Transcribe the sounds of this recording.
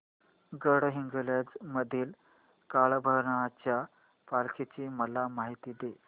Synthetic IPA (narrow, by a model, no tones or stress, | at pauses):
ɡəɽɦiŋɡəljad͡zməd̪ʱiːl | kaɭbʱəɾɳat͡ɕja | palkʰit͡ɕiːməlamaɦit̪iːd̪e